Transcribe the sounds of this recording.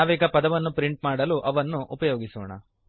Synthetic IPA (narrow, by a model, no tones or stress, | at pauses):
ʋiːkɐpɐd̪ɐʋɐnːupɾiɳʈmaːɽɐluʔɐʋɐnːuʔupɐjoːɡisɔ̰ːɳɐ̰